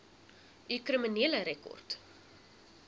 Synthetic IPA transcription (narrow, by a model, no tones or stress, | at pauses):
ʔykrəməniələɾɛkɔ̰rt